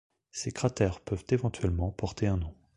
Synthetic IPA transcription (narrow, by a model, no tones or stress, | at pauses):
sekχat̪ɛʁpœvt̪evɑ̃t̪ɥɛlmɑ̃pɔʁt̪ʰeɛ̃nɔ̃